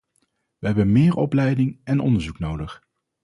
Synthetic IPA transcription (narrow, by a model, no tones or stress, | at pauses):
ʋəɦɛbənmɪːɹɔ̰plɛjdɪŋɛnɔ̰ndəɹzuknowdəχ